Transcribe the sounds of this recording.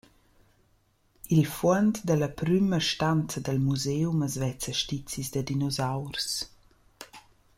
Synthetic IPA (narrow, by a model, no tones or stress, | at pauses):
ilfwənt̪d̪ələpɾyməʃtant͡səd̪əlmuzewməzvɛt͡səʃtit͡sizd̪əd̪inɔzawɾs